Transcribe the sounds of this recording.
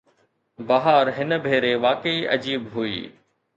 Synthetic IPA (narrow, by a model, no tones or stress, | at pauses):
bɐɦaɾɦɪnbʱeːɾeʋaːkəiʔɐ̰d͡ʑiːbɦuḭː